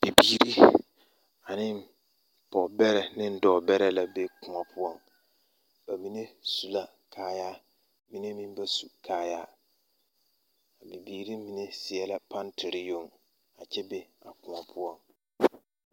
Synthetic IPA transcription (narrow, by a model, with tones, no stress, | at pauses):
b̥i˨biː˦ɾi˦ | a˨nɪ˦m | pɔ˨bɛ˦ɾɛ˨nɪ̃˦n̩˦dɔː˨bɛ˦ɾɛ˦la˨be˦kʊ˨ŋa˨pʰʊ˦ɔ˦m | b̥a˨mi˦ne˦su˨la˦ | kʰaː˦jaː˦ | mi˦ne˦mĩ˦m˦ba˦su˨kʰaː˨˦jaː˦ | a˨bi˨biː˨ɾi˦mi˨ne˦sɪ˨ɛ˦la˨pa˦ntʰɪ˨ɾi˦jo˦˨ŋ | a˨t͡ʃɛ˦be˦a˨kʊ̃˨a˨pʰʊ˦ɔ˦˨ŋ